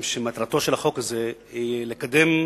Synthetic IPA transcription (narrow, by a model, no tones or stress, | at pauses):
mʃemat̪ɾat̪o̞ʃelaχo̞kazeilekad̪em